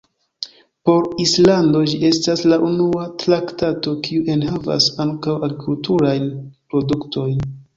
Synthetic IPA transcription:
po̞ɾislando̞d͡ʒiʔe̞staslaʔunuatɾaktato̞kiuʔe̞nhava̰saŋkawaɡɾikultuɾajnpɾo̞dukto̞jn

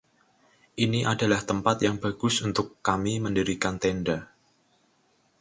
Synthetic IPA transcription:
ʔiniʔada̤laht̪əmpat̪jaŋbaɡ̥ʊsunt̪ʊkːamiməndiɾikant̪ɛnda

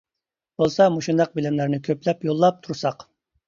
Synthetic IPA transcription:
bolˠsɑmoʃund̪ɑq̚bɪlɪmlæɾnɪkʲʰøplɛpjolˠːɑp̚t̪ʰuɾsɑq

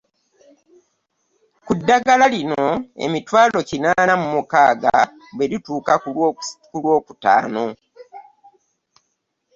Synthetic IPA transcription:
kudːaɡalalino̞ḛmitwaːlo̞cinaːnamumukaːɡa̰ | bwe̞lituːkakulwo̞ːku̥ta̰ːno̞

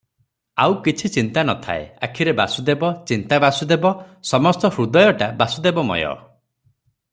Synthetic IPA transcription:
awkit͡ʃʰit͡ʃint̪anɔt̪ʰa̰ḛa̰kʰiɾebasud̪ebɔt͡ʃint̪abasud̪ebɔsɔmɔst̪ɔhɾud̪ɔjɔʈabasud̪ebɔmɔ̰jɔ̰

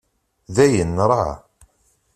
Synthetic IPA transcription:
ðæjənːɾˤɑ

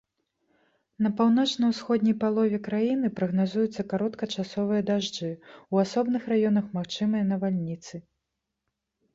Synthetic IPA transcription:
nɐpawn̪ɔt͡ʂnɐjwsxɔd̪ʲnʲɐjpalˠɔvʲɛkɾajinɨpɾɐɣnazujut̪sːɐkaɾɔt̪kɐt͡ʂasɔvɨjɐd̪aʐd͡ʐɨwasɔbnɨxrajɔnɐxmaxt͡ʂɨmɨjɐnɐvalʲnʲit̪sɨ

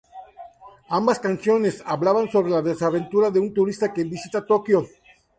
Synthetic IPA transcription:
ambaskansjo̞ne̞saβlaβanso̞βɾelaðesaβe̞nt̪uɾaðeunt̪uɾist̪akebisit̪at̪okjo

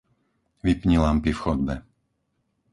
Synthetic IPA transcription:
ʋipɲilampifxɔd̪̚bɛ

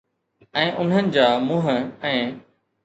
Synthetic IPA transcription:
ɛ̃ːʔʊn̤ənɪ̆d͡ʑaːmʊ̃ɦə̆ɛ̃ː

